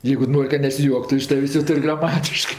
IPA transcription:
ˈjɛɪɡʊ ˈnoːrʲ kɐ nʲɛsʲɪˈjuɔktʊ ɪʃ ˈtɑːʋʲeːsʲ joː ˈtʊrʲ ɡrɐˈmɑːtʲɪʃkɜ

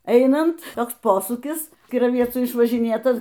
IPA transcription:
ˈɛɪnɐnt ˈtoːks ˈpoːsuːkʲɪs kʲɪrɐˈʋʲiɛt͡suː ɪʃʋɐʒʲɪˈnʲeːtɐs

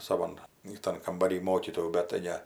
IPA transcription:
sɐˈʋɐn ɪˈtɐn kɐmbɐˈrʲiː ˈmoːkʲiːtoːjuː bʲɛt tɐɪ ˈnʲɛ

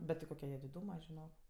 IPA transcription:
ˈbʲɛt tʲɪ ˈkoːkʲɛ jiɛ dʲɪˈduːmɐ ʒʲɪˈnoːk

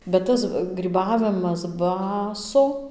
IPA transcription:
bʲɛt ˈtɐs ɡrʲiːˈbɑːʋʲɪmɐs ˈbɑːsoː

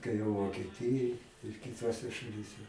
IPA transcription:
tɐɪ ʋoːkʲiɛˈtʲɪjoːj ɪr kʲɪˈtoːsʲɛ ʃɐˈlʲiːsʲɛ

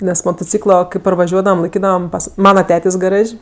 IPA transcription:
nʲɛs moːtoːˈt͡sʲiːklˠoː kɐɪ pɐrʋɐˈʒʲuɔdɐʋɐm lˠɐɪˈkʲiːdɐʋɐm ˈpɐs ˈmɑːnɐ ˈtʲeːtʲeːsʲ ɡɐˈrɐʃʲ

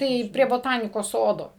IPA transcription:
ˈtɐɪ pʲrʲiɛ boːˈtɑːnʲɪkoːs ˈsoːdoː

